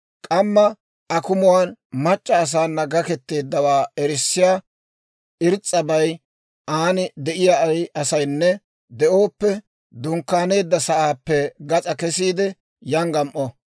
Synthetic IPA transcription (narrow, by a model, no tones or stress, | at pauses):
kʼɐmːɐ | ʔɐkʊmʊwaːnmɐt͡ʃʼːɐːs̬aːnːɐɡɐkɛt̪ːe̞ːd̪ːɐwaːɛɾɪsːɪjaː | ʔɪɾt͡sʼːɐbɐj | ʔaːnɪd̪ɛʔɪjaɐjɐsɐjnːɛ | d̪ɛʔo̞ːpːɛ | d̪ʊŋkːaːne̞ːd̪ːɐsɐʔaːpːɛɡɐt͡sʼɐkɛsiːd̪ɛ | jɐŋɡɐmʔɔ